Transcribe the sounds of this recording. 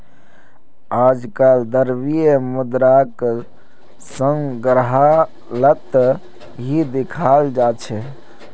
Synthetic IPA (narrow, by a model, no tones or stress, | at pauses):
ad͡ʒkald̪əɾbijemud̪ɾak | səŋɡɾɦa | lət̪ | ɦid̪ikʰald͡ʒat͡ʃʰɛ